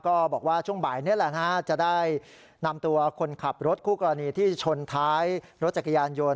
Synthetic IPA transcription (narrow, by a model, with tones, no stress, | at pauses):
kɔː˥˩bɔː˨˩k̚waː˥˩t͡ɕʰu˥˩əŋbaː˨˩jni˦˥˨lɛ˨˩na˦˥t͡ɕa˨˩daː˥˩j | na˧mt̪u˧ɐkʰo˧nkʰa˨˩p̚ɾo˦˥t̪̚kʰuː˥˩kɔː˧ɾa˧niː˧t̪ʰiː˥˩t͡ɕʰo˧nt̪ʰaː˦˥jɾo˦˥t̪̚t͡ɕa˨˩kʰːa˧jaː˧njo˧n